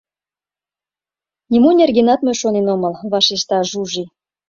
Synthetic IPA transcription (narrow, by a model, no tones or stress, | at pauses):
nʲimunʲerɣinɑt̪møʃonenoməlβɑʃiʃt̪ɑʒuʒi